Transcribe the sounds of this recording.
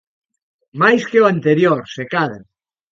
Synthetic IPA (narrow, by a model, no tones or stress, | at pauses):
majskeoant̪eɾjoɾsekaða